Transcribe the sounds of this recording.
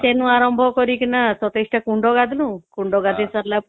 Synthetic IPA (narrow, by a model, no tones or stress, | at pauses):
senũaɾɔmbʱɔkɔɾikinasɔt̪esʈakuɳɖɔɡad̪ʱlũkuɳɖɔɡad̪ʱisaɾla